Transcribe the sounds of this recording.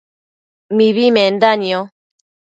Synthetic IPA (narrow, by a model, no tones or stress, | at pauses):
miβimɛndaniɔ